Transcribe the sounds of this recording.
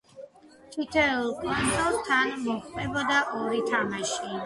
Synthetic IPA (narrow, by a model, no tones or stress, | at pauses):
t͡ʃ̪ʰit̪ʰɛulˠkʼwant̪ʰʼɔlˠt̪ʰanmɔχt̪ʼɛbɔd̪aʔɔɾit̪ʰamaʃi